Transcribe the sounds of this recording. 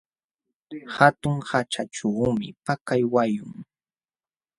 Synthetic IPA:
hat̪ʊŋhat͡ʃaʈ͡ʂuːmɪpakajwajʊŋ

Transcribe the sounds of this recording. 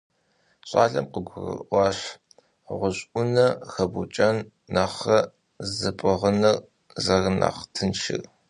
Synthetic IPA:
ɕʼa̰ːɮɐ̰mqəɡʷʊrɨ̰ɑːɕ | ʁʷʊɕʼʔʊnɐxɐbut͡ʃʼɐnː | ɐχɐ | zɨpʼɨʁənɨr | zɐrna̰χtʰɨnʃɪ̰r

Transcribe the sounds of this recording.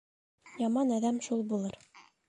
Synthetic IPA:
jɑmɑnæðæmʃulˠbulˠɤɾ

